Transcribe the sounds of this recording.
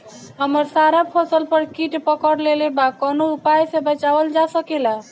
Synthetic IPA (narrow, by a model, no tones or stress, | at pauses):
ɦəməɾsaɾapʰəsəlpəɾkiʈpəkəɽlelebakənoupajsẽbət͡ʃaʋəld͡ʒasəkela